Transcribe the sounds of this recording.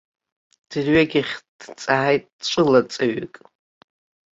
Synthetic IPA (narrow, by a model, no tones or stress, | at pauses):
d̥ɨrɥaɡʲɪχʲd̥t͡sʼaːajtʼt͡ʃʷʼɨlat͡sʼaɥikʼ